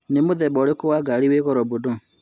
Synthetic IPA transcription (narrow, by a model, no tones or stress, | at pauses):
nemoðɛbɔɾekowaɡaliweɣɔɾɔbodo